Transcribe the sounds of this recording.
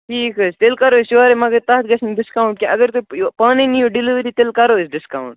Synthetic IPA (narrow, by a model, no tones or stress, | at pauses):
ʈʰiːkost̪elkɐɾoːsoaːɾemɐɡɐɾt̪aɦt̪̚ɡɐsʰniɖɪskaːuɳʈ̚kĩʔɐɡəɾt̪upaːnenijoɖiliʋɾit̪elkɐɾoːsɖɪskaːwuɳʈ